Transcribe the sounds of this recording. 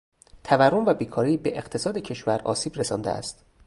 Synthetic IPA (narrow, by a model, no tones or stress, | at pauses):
t̪ʰæværːomvæbiːkʰɒːɾibe̞ʔeqt̪ʰe̞sɒːd̪ecʰe̞ʃvæɾɒ̰ːsiːbɾesɒːnd̪eʔæ̰st̪